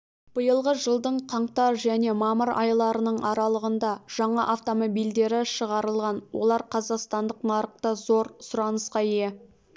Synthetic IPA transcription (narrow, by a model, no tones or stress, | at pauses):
b̥əjəlˠʁəʒəlˠd̪əɴqʰɑɴqt̪ɑɾʒæne̞mɑməɾɑ̰jlˠɑɾənəɴɑɾɑlˠəʁənd̪ɑʒ̥ɑɴɑʔaft̪o̞mo̞bijld̪e̞ɾɪʃəʁɑɾəlˠʁɑnwo̰lˠɑɾqʰɑzɑqst̪ɑnd̪əqnɑɾəq̚t̪əzo̞ɾsʊɾɑnəsqɑe